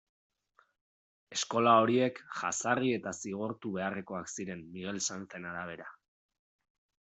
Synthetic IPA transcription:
e̞sko̞lao̞ɾie̞kʝa̰sarie̞t̪asiɣ̞oɾt̪uβe̞are̞ko̞aksiɾe̞nmːiɣe̞lsant͡se̞naɾaβ̞e̞ɾa

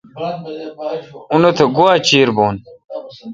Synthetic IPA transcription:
unot̪ʰeɡoat͡ɕiːɾboːn

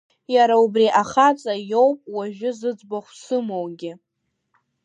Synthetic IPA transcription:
jaɾaubriʔaχat͡sʼajowpʼwaʒᶣʊzɨd͡zbaχʷsɨmowɡʲɪ

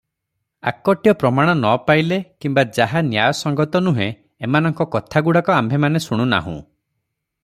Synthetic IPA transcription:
a̰kɔʈjɔpɾɔmaɽ̃ɔnɔpajlekimbad͡ʒaɦanjajɔsɔŋɡɔt̪ɔnuɦẽ | emanɔŋkɔkɔt̪ʰaɡuɽakɔambʱemanesuɽ̃una̰ɦṵ̃

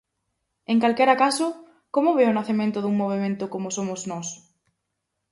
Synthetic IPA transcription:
eŋkalkɛɾakasʊ | komʊβeʊnaθemẽnt̪ʊðuŋmoβ̞emẽnt̪ʊkomosomʊznɔs

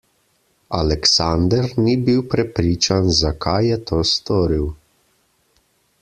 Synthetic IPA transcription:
a̰lɛksand̪əɾnibiwpɾɛpɾiːt͡ʃanzakʰajːɛt̪ʰoːst̪oːɾiw

